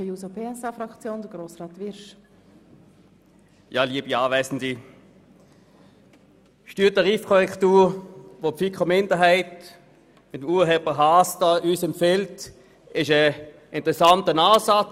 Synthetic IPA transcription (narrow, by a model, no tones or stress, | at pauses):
əjuːsopeɛsafɾɑkt͡sjoːnd̪əɡ̥ɾoːsʁɑːt̪ʋɪɾʃ | jɑːliəbiɑːvɛɪsn̩di | ʃtyːtaʁiːfkʰɔʁɛktuːʁʋofikχəmɪndəɦɛɪt | mɪtmuːɐɦɛbəɦɑːsd̥ɑːʔyːsɛmfɛlt | ɪʃə | ʔɪntəʁɛsɑntənaːsɑt͡s